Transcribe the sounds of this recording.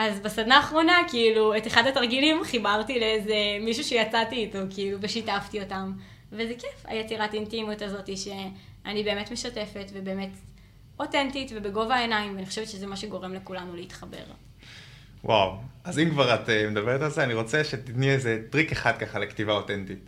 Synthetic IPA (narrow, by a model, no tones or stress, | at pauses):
ʔazbasad̪naːχʁo̞nakiːlue̞teχadataʁɡilimχibaʁtileezemiʃuʃejat͡satiːto̞kiiluveʃitaftio̞tam | vezekɛfa̰jet͡siʁatintimjutazo̞tiʃe̞anibeːme̞tme̞ʃate̞fe̞tvebe̞ːme̞t | o̞tentitve̞be̞ɡo̞vaenaimveaniχoʃevtʃezemaʃeɡo̞ʁe̞mlekulanuleitχabe̞̰ʁ | wʔa̰wazimkvaʁatemed̪abeʁetalzeaniʁo̞t͡seʃet̪itniezetʁikeχad̪̚kaχalektivaotentit